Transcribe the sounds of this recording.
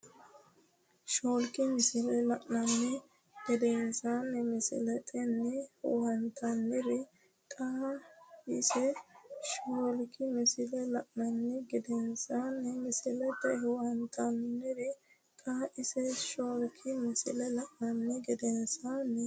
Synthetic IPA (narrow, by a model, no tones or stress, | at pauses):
ʃoːlkɪmɪsɪlɛlɐʔnɐnːɛ | ɡ̥ɪd̪ɛnsanːɛmɪsɪ̰lɛt̪ʼɛnːɛhʊ̰hɐnt̪ɐnːɪɾɪ | kʼaː | ɪsɛʃoːlkɪmɪsɪlɛlɐʔnɐnːɛɡɪd̪ɛnsanːɛmɪsɪlɛt̪ʼɛhʊhɐnt̪ʰɐnːɪɾɪ | kʼaːʔɪsɛʃoːlkʰɪmɪsɪ̰lɛlɐʔnɐnːɛɡɛd̪ɛnsanːɛ